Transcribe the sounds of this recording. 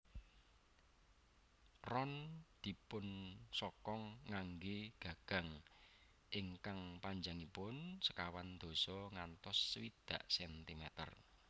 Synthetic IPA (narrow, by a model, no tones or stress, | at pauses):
rɔnd̪̥i̤pʊnsɔkɔŋːaŋɡeɡ̥ä̤ɡ̥ä̤ŋ | ʔɪŋkaŋpaɲd͡ʒaŋipʊnsə̥kawand̪̥o̤sɔŋant̪ɔsːwid̪̥a̤ʔsɛnt̪imɛt̪ə̰r